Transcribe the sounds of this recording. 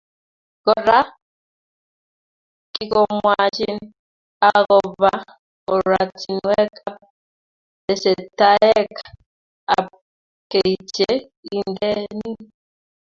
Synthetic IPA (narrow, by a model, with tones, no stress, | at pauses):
kɔ˨ɾa˦ | ki˦kɔ˦mwa˨t͡ʃi˦n | akɔβa˦ | ɔ˨ɾwati˨nwɛ˦ka˦ | ɛ˨sɛ˨ta˦ɛ˦kḁ | a˨ | ke˨i˨t͡ʃɛ | i˦ndɛ˦ni˦